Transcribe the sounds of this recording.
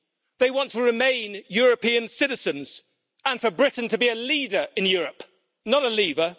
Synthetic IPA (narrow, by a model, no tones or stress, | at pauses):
ðeɪwɒ̃ntʰəɹɪmẽɪ̃njɔːɹəpĩə̃nsɪɾɪz̥ə̃nz̥ | ə̃nfəbɹɪʔn̩tʰəbiɨliːdəɹɪ̃njɔːɹəp | nəɾəliːvə